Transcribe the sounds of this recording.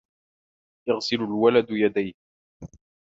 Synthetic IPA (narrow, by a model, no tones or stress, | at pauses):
ʔɑɣsɪlʊlwalad̪jad̪ajh